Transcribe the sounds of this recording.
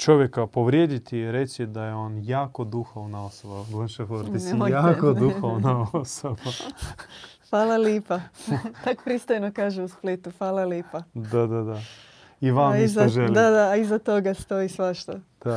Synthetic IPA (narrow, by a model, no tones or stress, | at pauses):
t͡ʃo̞ʋjekapoʋɾjeːd̪it̪iɾet͡ʃid̪ajeo̞njaːkod̪uxoʋnaosoʋablənʃefoɾd̪isjaːkod̪uxoʋnaosoba | fʋaːlaliːpat̪ako̥pɾist̪ojnokaːʒeusplit̪ufʋaːlˠaljiːpad̪ad̪ad̪a | iʋamioʒelid̪ad̪aːizat̪oɡast̪oisʋaʃt̪od̪̥a